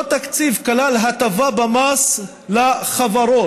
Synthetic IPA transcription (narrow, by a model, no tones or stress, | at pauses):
ot̪akt͡sivkalalɦat̪avabamas | laχavaɾo